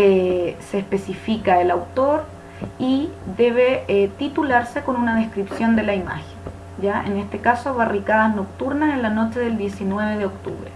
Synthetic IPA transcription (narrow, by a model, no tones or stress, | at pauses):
eseːhpe̞sifikaelawt̪o̞ɾ | iðe̞β̞eet̪it̪ulaɾse̞ko̞nunað̞e̞skɾipsjo̞nd̪e̞laima̰xen | ɟ͡ʝaʔenest̪ekasoaβarikaðasno̞k̚t̪uɾnasenlano̞t͡ʃe̞ðe̞ld̪je̞sinwe̞β̞eð̞eok̚t̪ṵβɾe